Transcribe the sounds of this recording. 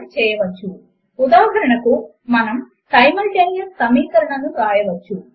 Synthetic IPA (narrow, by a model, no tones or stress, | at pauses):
it͡ʃeːjːɐʋɐt͡ʃːu | ud̪aːɦɐɾɐɳɐku | mɐnɐm | sɐjmɐlʈeːnijɐsɐmiːkɐɾɐɳɐnːukaːjɐʋɐt͡ʃːu